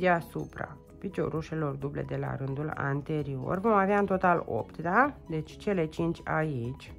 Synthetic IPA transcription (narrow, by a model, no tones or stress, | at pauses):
d̪easupɾa̰ | pit͡ʃo̞̰ɾuʃe̞lo̞rd̪uble̞̰d̪e̞la̰ɾɨnd̪ula̰nt̪e̞ɾio̞̰rvo̞maveaɨnt̪ot̪alo̞̰pt̪d̪ad̪e̞t͡ʃʲt͡ʃe̞le̞t͡ʃint͡ʃʲait͡ʃʲ